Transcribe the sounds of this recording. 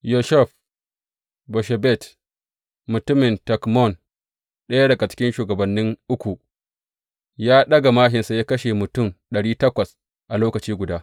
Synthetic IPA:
jo˨ʃɛ˦ɸ | bɔ˨ʃɛ˨bɛ˦˨t | mʊ˨tʊ˦mɪ˨ntɐ˨kmɔ˦˨n | ɗɐ˦ja˦ɽɐ˨ɡa˨t͡ʃɪ̥˦kʲɪ˦nʃuː˨ɡɐ˨bɐ˨nːɪ˦ŋʔʊ˦kʷu˨ | jaː˦ɗɐ˦ɡa˨maː˦ɦɪ˨nsa˨jaː˦kɐ˦ʃe˨mʊ˨tʊ˦˨mɗɐ˨ɽiː˦tɐ˦kʷɐ˨s | ʔa˨loː˦kɐ˨t͡ʃiː˦ɡʷʊ˨daː˦

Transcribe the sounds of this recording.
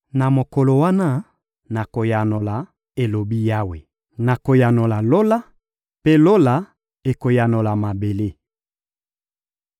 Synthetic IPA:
na˨mo˨kɔ˨lo˨wa˦na˦ | na˨ko˨ja˨no˨la˨ | e˨lo˨bi˦ja˦we˨ | na˨ko˨ja˨no˨la˨lo˦la˦ | pe˦lo˦la˨ | e˨ko˨ja˨no˨la˨ma˨be˨le˦

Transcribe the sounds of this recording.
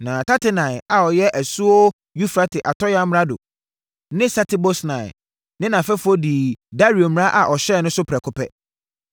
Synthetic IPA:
nãː˨tʰa˦tʰɪ˦nã˨ɪ˨a˨ɔ˨jɛ˦ʔæ˨su˦o˦ | ju˦fɾa˦tʰɪ˨ʔa˨tʰɔ˦jã˦m˦ɾa˦do̰˨ | nɪ̃˦sa˦tʰɪ˨bo˦snã̰˨ | nɪ̃˦nã˨fɛ˦fʊ˦ɔ˦di˨da˦ɾi˨o˨mɪ̃˦ɾã˦ʔa˨ʔɔ˨ɕɛ˦˨nʊ̃˦sʊ˦pʰɾɛ˨kʰʊ˦pʰɛ̰˦

